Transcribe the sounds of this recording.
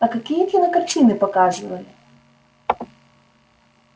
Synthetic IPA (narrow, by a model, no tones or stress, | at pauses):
ɐkɐkijkʲinɐkɐrt͡ʃɪnɪpɔkɑʒʊʋɐlʲɪ